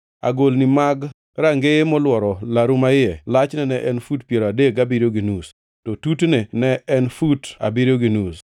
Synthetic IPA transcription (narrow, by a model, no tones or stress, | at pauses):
a̰ɡolnimaɡ | ɾaŋɡemɔlwɔɾɔlaɾumaɪɛlat͡ʃnɛnɛʔɛnfutpjeɾadeɡabiɾjoɡinus | tɔtutnenɛɛnfuta̰biɾjoɡinus